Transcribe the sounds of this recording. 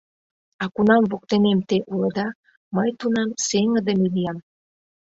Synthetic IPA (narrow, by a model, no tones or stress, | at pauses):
ɑkunɑmvok̚t̪enemt̪eʔuləd̪ɑ | məjt̪unɑmseŋəd̪ə̆milijɑm